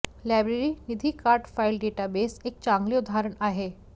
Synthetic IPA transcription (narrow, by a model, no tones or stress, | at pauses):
lajbɾeɾinid̪ʱikaɾʈfailɖeʈabesek̚t͡ɕaŋɡliud̪ʱaɾəɳaɦe